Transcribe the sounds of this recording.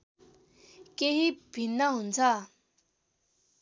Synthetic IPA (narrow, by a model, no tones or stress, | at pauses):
keɦibʱinːʌɦunt͡sʰʌ